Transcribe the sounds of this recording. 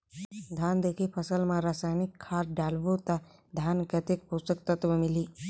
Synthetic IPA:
d̪ʱaːnd̪eːkʰipʰəsəlmãɾasaːjnikʰːaːɾɖaːlʋot̪ad̪ʱaːnkət̪ek̚pust̪ək̚t̪ət̪ʋəmiliː

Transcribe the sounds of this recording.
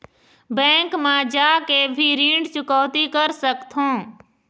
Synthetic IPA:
bɛ̃ːŋkmãd͡ʒaːkebʱiɾiːɳɖt͡ʃʊkɔːt̪ikəɾsəkt̪ʰɦõː

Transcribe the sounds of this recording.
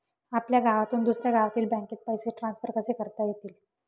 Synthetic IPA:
apljaɡʱaʋat̪uːnd̪usɾjaɡʱaʋat̪iːlbɛ̃ŋkeːt̪̚pəjseʈɾãnsfəɾkəsekəɾt̪ajet̪iːl

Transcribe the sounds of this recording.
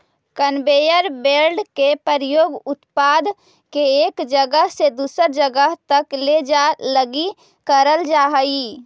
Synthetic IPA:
kənbejəɾbeɾɖkepəɾjoːɡʊt̪pad̪ | keːkd͡ʒəɡəɦsed̪uːsəɾd͡ʒəɡəɦt̪əkled͡ʒaləɡi | kəɾəld͡ʒaɦəi

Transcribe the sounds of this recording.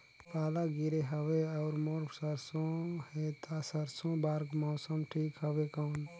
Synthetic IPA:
paːlaɡiɾeɦəweɔʊɾmoɾpsəɾsõhet̪ʰasəɾsõbaːɾɡmɔːsəmʈʰiːkɦəbekəʊn

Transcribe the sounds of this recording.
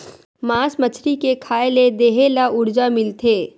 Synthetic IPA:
mãːsmət͡ʃʰɾikekʰaːeled̪eːɦelaʊɾd͡ʒamɪlt̪ʰeː

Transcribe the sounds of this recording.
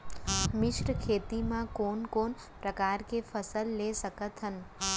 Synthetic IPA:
mɪʃʈkʰet̪imãkonkon | pɾəkaɾkefʰəsəlːeʃəkət̪ɦən

